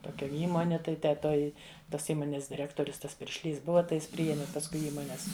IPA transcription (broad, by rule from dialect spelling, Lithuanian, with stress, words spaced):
toːˈkʲɛ ˈiːmoːnʲɪ ˈtɐɪ tʲɛ ˈtoːj ˈtoːs ˈiːmoːnʲeːs dʲɪˈrʲæːktoːrʲʊs ˈtɐs pʲɪrʲʃʲˈlʲiːs ˈbʊʋɐ tɐɪ ˈjɪs pʲrʲɪˈjæːmʲɪ pɐsˈkʊɪ ˈiːmoːnʲɛs